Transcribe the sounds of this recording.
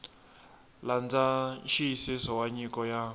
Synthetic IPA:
land͡zaʃiisisɔwaɲikɔja

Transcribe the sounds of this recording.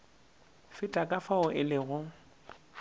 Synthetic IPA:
fɪtʼakʼafaʊʔɪlɪɣʊ

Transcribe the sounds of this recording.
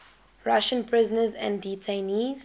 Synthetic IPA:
ɹaʃə̃npʰɹɪzənəzæ̰̃nditʰeniːz̥

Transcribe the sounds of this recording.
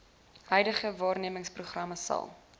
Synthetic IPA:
hœjdəχəvɑːrniəməŋspruχrɐməsɐ̰lˠ

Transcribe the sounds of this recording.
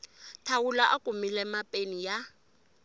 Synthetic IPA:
tʰawulaʔakʼumilɛmapʼenija

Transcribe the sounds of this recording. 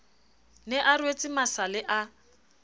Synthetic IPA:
nɪʔarwet͡sʼɪmasalɪʔa

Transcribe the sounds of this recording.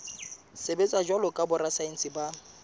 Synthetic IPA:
sebet͡sʼad͡ʒwalɔkʼabʊrasaen̩sɪba

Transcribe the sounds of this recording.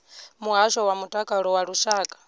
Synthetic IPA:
muɦaʃɔwamutʼakʼaɺɔwaɺuʃaːkʼḁ

